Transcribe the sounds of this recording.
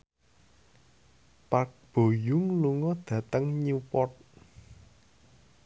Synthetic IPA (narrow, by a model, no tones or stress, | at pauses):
pak̚b̥o̤jʊŋluŋɔd̪̥ä̤t̪əŋɲupɔt̪̚